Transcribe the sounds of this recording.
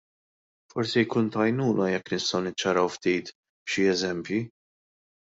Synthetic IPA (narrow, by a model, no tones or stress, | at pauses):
fɔɾsijkuːnt̪ɐjnuːnɐjɛkːnɪst̪ɐwnɪt͡ʃːɐɾɐwft̪iːt̪ | b̥ʃiɛzɛmpji